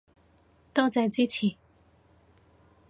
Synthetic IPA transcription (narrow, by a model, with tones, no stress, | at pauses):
t̪ɑ˥˨t͡sa˥˩ɪt͡si˥˨t͡ɕʰi˥˩˨